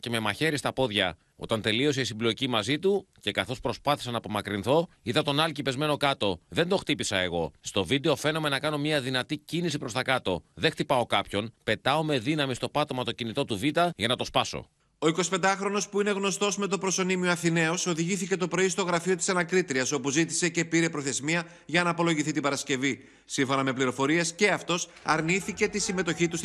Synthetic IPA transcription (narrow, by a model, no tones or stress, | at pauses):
ceme̞mɐçe̞ɾist̪ɐpo̞ðʝɐ̰ | o̞̰t̪ɐnt̪e̞lio̞siisimblo̞cimɐzit̪uce̞kɐθo̞spɾo̞spɐθi̥sɐnɐːpo̞mɐkɾinθo̞iðɐt̪o̞nɐlcipe̞zme̞no̞kɐt̪o̞ðe̞nd̪o̞xt̪ipisɐe̞ɣo̞st̪o̞vid̪e̞o̞fe̞no̞me̞nɐkɐno̞mɲɐðinɐt̪icinisipɾo̞st̪ɐkɐt̪o̞ðext̪ipɐo̞kɐpço̞npe̞t̪ɐo̞me̞ðinɐmist̪o̞pɐt̪o̞mɐt̪o̞cinit̪o̞t̪uvit̪ɐʝɐnɐt̪o̞spɐso̞̰ | o̞ikosi̥pe̞nd̪ɐxɾo̞no̞spuine̞ɣno̞st̪o̞zme̞t̪opɾo̞so̞nimioɐθine̞o̞so̞ðiʝiθice̞t̪o̞pɾo̞ist̪o̞ɣɾɐfiot̪i̥sɐnɐkɾit̪ɾiɐso̞puzit̪i̥se̞ce̞piɾe̞pɾo̞θe̞zmiɐ | ʝɐnɐːpo̞lo̞ʝiθit̪ibɐɾɐsce̞vi | siɱfo̞nɐme̞pliɾo̞fo̞ɾie̞sce̞ɐft̪o̞s | ɐɾniθice̞t̪isime̞t̪o̞çit̪us